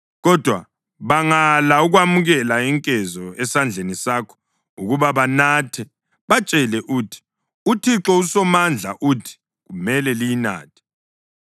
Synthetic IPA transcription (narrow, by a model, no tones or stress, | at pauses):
ɣɔd̥ʱwa̰ | βaŋalauɣwamuɣɛlaiŋkʼɛzɔɛsand͡ɮʱenisakʰɔ̥ | uɣuβaβanatʰɛ | βat͡ʃʼɛlɛʔuːtʰi̥ | utʰiǁɔusɔmand͡ɮʱa̰ʔutʰi̥ | ɣumɛlɛlijina̰ːtʰi̥